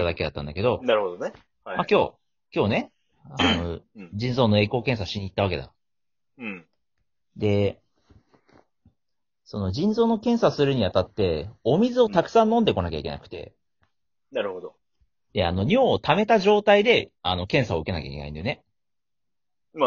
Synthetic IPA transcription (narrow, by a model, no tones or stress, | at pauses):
t̪ːad̪ake̞d̪at̪ːã̰nd̪ake̞d̪o̞naɾɯhod̪one | makʲo̞ː | kʲo̞ːne̞ | anod͡ʑĩnzo̞ːnoe̞ːko̞ːkẽ̞ɰ̃s̬aɕiɲ̟it̪ːaβake̞d̪a̰ | d̪e̞ | so̞no̞d͡ʑĩnzo̞ːno̞kẽ̞ɰ̃sasɨɾɯ̟ɲ̟iat̪at̪ːe̞o̞mʲizɨo̞t̪akɯ̟̥sãnːõ̞nd̪e̞ko̞nakʲaike̞̰na̰kɯ̟̥t̪e̞̰ | naɾɯ̟hod̪o | d̪̥e̞a̰no̞ɲ̟ʲoːt̪ame̞t̪aʑo̞ːt̪aid̪e̞ano̞kẽ̞ɰ̃saoɯ̟ke̞nakʲaikʲena̰ind̪eone | ma